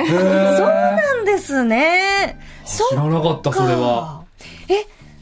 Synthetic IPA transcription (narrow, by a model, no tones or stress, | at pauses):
soːnãnd̪e̞sɨne | soɾanakɑt̪ːasoɾe̞βa | e